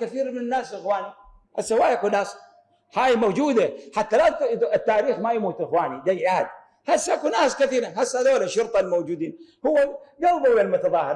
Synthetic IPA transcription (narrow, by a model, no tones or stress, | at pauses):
kaθiːɾmɪnɪnːaːsʔɪxwaːni | ha̰sːhʊwːaːjʔakunaːs | haːjmowd͡ʒuːd̪aħat̪ːalaɪt̪ːaːɾiːxmajamuːt̪ʔɪxwaːnid̪ajʔaad̪ | hasːʔakunaːskaθiːɾahasːad̪oːlaʃːʊɾt̪ˤɑlmowd͡ʒuːd̪iːnhʊwːad͡ʒɑlˤb̪ˤʊwjalmʊt̪ɑðˤɑːhɪɾˤ